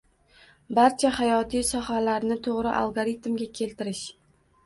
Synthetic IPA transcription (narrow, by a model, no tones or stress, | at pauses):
baɾt͡ʃʰahajɒt̪ʰijsɒhalaɾnɪt̪ʰoʁɾɪʔa̰lˠɡoɾit̪mɡʲakʲʰe̞lt̪ɪɾɪʃ